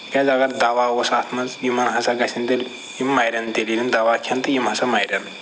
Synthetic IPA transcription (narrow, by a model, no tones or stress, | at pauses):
kʲɐzɐɡɐɾd̪ɐʋawosaːt̪ʰmɐzjimɐnɦɐsaɡɐsʲint̪elʲ | jimːɐjɾʲɐnt̪eliɾind̪ɐʋaːkʰɐnt̪ɨjimɦɐsɐmɐjɾʲɐn